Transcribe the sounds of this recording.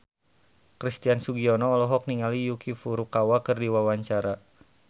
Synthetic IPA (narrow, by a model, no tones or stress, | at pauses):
kɾist̪iansuɡiɔnɔːlɔɦɔk̚niŋalijukifuɾukawakɨrdiwawaɲt͡ʃaɾa